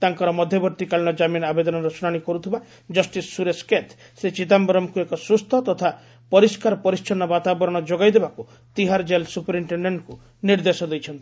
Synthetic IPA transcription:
t̪aŋkɔɾɔmɔd̪ʱjɔbɔɾt̪ikaliɽ̃ɔd͡ʒaminabed̪ɔnɔɾɔsuɽaɽ̃ikɔɾut̪ʰiba | d͡ʒɔsʈisːuɾesket̪ʰ | set͡ʃit̪̬ambɔɾɔmɔkuekɔsust̪ʰɔt̪ɔt̪ʰa | pɔɾiskaɾɔpɔɾist͡ʃʰɔnɔbat̪abɔɾɔɽ̃ɔd͡ʒoɡajd̪ebaku | t̪iɦaɾd͡ʒelsupɾimʈeɳɖeɳʈku | niɾd̪esɔd̪ejt͡ʃʰɔnt̪i̥

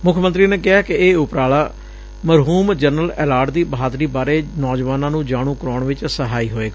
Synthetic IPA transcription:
mʊkʰmənt̪ɾiːneːkɪɦaːkɪeːʊpɾaːɭaː | məɾɦuːmd͡ʒəɾnəlɛːlaːɾʈd̪iːbəɦaːd̪ɾiːbaːɾeːnɔːd͡ʒʋaːnãːnũːd͡ʒaːɽ̃ũːkəɾoːɳʋɪt͡ʃsəɦaːiːɦoːeːɡaː

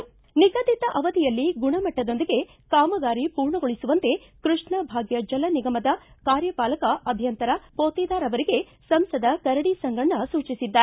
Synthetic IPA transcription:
niɡɐd̪it̪ɐʔɐʋɐd̪ijɐlːiɡuɳɐmɐʈːɐd̪o̞nd̪iɡe | kaːmɐɡaːɾipuːɾɳɐɡoɭisuʋɐnt̪e̞ | kɾuʂɳɐbʱaːɡjɐd͡ʒɐlɐniɡɐmɐd̪ɐkaːɾjɐpaːlɐkɐɐb̪ʱjɐnt̪ɐɾɐpoːt̪ɛːd̪aːɾɐʋɐɾiɡe̞ | sɐmsɐd̪ɐkɐɾɐɽisɐŋɡɐɳːɐsuːt͡ʃisid̪ːa

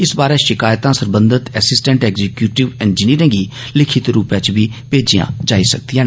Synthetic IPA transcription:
ɪsbaːɾeːʃɪkaːjt̪ãːsəɾbə̃nd̪ət̪ɛːsɪsʈɛ̃ɳʈɛːɡzɛkjuːʈɪʋɪnd͡ʒniːɾɪ̃ŋɡiː | lɪkʰɪt̪ɾuːpjãːt͡ʃbiːpeːd͡ʒijã̰ːd͡ʒaːiːsək̚d̪ijãː

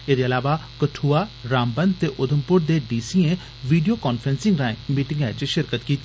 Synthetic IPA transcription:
eːd̪eːəlaːʋaːkəʈʰuːaːɾaːmbənd̪̚t̪eːʔʊd̪ʱəmpʊɾd̪eːɖiːsiːẽː | ʋiːɖijoːkaːnpʰɾensɪ̃ŋɡɾãːẽmiːʈɪ̃ŋɡɛːt͡ʃʃɪɾkət̪kiːt̪ːiː

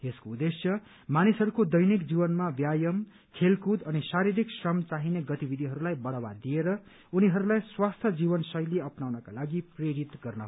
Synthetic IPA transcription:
eskoud̪esjʌ | manisɦʌɾukod̪ʌjnikd͡zibʌnmabjajʌm | kʰelkud̪ʌnisaɾiɾiksrʌmt͡saɦineɡʌt̪ibid̪ʱiɦʌɾulajbʌɽawad̪ieɾʌ | uniɦʌɾulajswast̪ʰjʌd͡zibʌnsʌjleʌpnawnʌkalaɡipreɾit̪ɡʌrnʌɦ

